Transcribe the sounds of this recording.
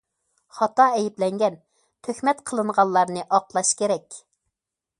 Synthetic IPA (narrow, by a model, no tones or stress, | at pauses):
χɑt̪ɑɛjiplɛŋɡʲɛn | t̪ʰøxmɛt̪qʰəlˠɨɴʁɑlːˠɑɾnɨʔɑqlˠɑʃkʲeɾɛkʲ